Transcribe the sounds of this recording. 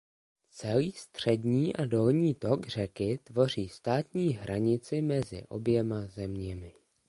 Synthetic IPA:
t͡sɛliːst̪r̝̥ɛdɲiːʔado̞lɲiːt̪o̞ɡr̝ɛkɪt̪vo̞r̝iːst̪aːt̪ɲiːɦɾʔaɲɪt͡sɪmɛzɪ̰ʔo̞̰bjɛmazɛmɲɛmɪ

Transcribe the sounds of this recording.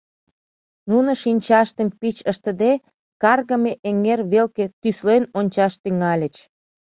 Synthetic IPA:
nunəʃinʲt͡ɕɑʃt̪əmpit͡ɕəʃt̪əd̪e | kɑrɣəmeʔeŋerβelket̪yslenonʲt͡ɕɑʃt̪yŋɑlʲə̆t͡ɕ

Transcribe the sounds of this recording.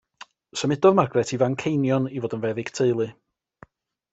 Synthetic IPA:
səmɪdɔðmarɡrɛtʰivaŋkʰejnjɔnivoːdənvɛðɪɡ̥tʰeɨlˠɨ

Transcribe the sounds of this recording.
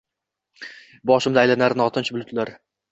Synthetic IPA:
bɒʃɪmd̪ajlanaɾnɒt̪ʰɪnt͡ʃʰbʊlˠʊt̪laɾ

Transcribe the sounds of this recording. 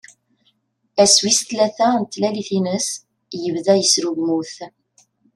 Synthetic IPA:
æswist̪læθænt̪ːlæliθinəs | jəvðæjəsɾuʝmuθ

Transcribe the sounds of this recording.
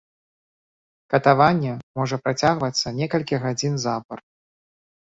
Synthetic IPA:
kɐt̪avanʲːɛmɔʐɐpɾat͡sʲaɣvɐt̪sːɐnʲɛkɐlʲkʲiɣad͡zʲinzapɐr

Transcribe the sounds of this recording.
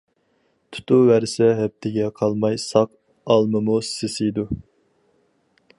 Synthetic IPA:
t̪ʰu̥t̪ʰuvæɾsɛɦɛp̚t̪ʰɪɡʲɛqʰɑlˠmɑjsɑq | ɑlˠmɨmusɪsijd̪u

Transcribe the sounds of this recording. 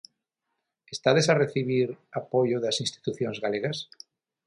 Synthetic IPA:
est̪aðesareθiβ̞iɾapoʝoðasĩnst̪i̥t̪uθjonzɣaleɣas

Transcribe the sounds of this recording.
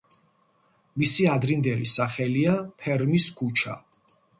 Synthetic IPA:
misiad̪ɾind̪ɛlisaχɛliapʰɛɾmiskʰut͡ʃʰa̰

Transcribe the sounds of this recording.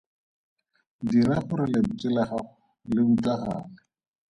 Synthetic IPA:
diɾaχʊɾɪlɪt͡sʼɪlaχaʊ | lɪutaχa̰ːlɪ

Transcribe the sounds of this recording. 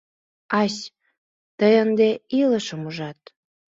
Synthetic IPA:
ɑs | t̪əjənd̪eiləʃəmuʒɑt̪̚

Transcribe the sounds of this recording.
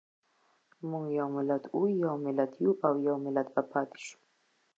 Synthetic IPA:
muŋɡjawmɪlat̪ʰujawmɪlat̪ʰjuʔawjawmɪlat̪bapʰɑːt̪i̥ʃu̥

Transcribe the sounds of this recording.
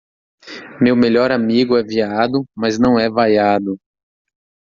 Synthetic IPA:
mewmeʎɔɾamiɡʊɛviad̪ʊmɐznɐ̃w̃ɛvajad̪ʊ

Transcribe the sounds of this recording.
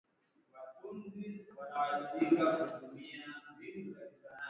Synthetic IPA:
watunziwanawaɗiɓikakutumiabinukaisa

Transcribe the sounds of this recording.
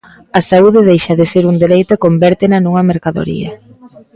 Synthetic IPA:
ɐsauðɪðejʃɐðeseɾuŋd̪eɾejt̪ʊkombɛɾt̪ɪnɐnuŋɐmeɾkaðo̰ɾḭɐ̰

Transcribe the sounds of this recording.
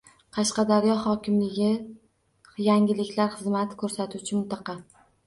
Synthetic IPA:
qʰɑʃqɑd̪aɾjɒhɒkʲʰɪmlɪɡʲɪ | jaŋʲɪlɪkʲlaɾχɨzmat̪ʰkʰɵɾsat̪ʰut͡ʃʰɪmɪnt̪ɑqʰɑ

